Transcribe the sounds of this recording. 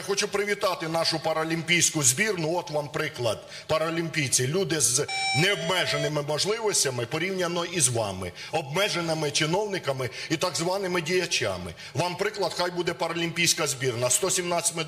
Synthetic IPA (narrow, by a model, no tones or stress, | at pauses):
xɔt͡ʃupɾɪʋʲit̪ɑt̪ɪnɑʃʊpɐɾɐlʲimʲpʲijsʲkʊzʲbʲirnʊɔt̪ʋɑmpɾɪklˠɐd̪̚ | pɐɾɐlʲimʲpʲijt͡sʲilʲud̪ɪznɛɔbmɛʒenɪmɪmɐʒlˠɪʋɔsʲtʲɐmɪpɔɾʲiwnʲɐnɔizʋɑ̰mɪ̰ | ɔb̚mɛʒenɪmɪt͡ʃɪnɔwnɪkɐmɪit̪ɐɡzʋɑnɪmɪdʲijɐt͡ʃʲa̰mɪ̰ | ʋɑmpɾɪklˠɐd̪xɑjbud̪ɛpɐɾɐlʲimʲpʲijsʲkɐzʲbʲirnɐst̪ɔsʲimnɑɪ̥tʲmɪ